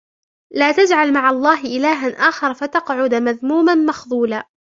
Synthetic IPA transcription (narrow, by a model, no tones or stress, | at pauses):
laːt̪ad͡ʒʕalmaʕɑlˤːɑːɦɪʔɪlaːɦanʔaːxɑɾˤfat̪ɑqʕʊd̪maðmuːmanmɑxðˤuːlaː